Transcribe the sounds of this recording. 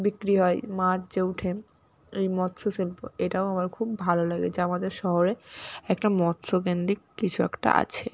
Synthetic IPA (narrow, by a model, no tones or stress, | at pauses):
bikɾiɦɔemat͡ɕd͡ʑeuʈʰe | ejmɔt̪sosilpo̰eʈaoamaɾkʰubːʱalolaɡet͡ɕʰeamad̪eɾʃɔɦoɾeɛkʈamɔt̪sokend̪ikkit͡ɕʰuɛ̰kʈa̰ʔa̰t͡ɕʰe